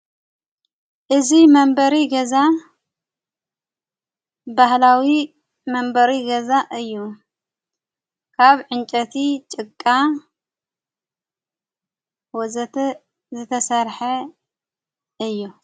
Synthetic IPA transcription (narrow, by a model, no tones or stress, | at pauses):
ʔɨzimɐmbɐɾiɡɐza | bahlawi | mɐmbɐɾiɡɐzaʔɨjːu | kʰaβʕɨnt͡ʃʼɐt̪ʰit͡ʃʼɨkʼːa | w | zɨt̪ʰɐsɐɾħɐ | ɨjːu